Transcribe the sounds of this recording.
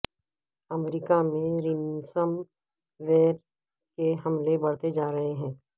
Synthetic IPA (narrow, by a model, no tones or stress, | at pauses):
ɐmɾɪkamẽɾɪnsəm | ʋeːɾ | keɦɐmlebɐɽ̤t̪ed͡ʒaːɾɐɦeɦɛ̃ː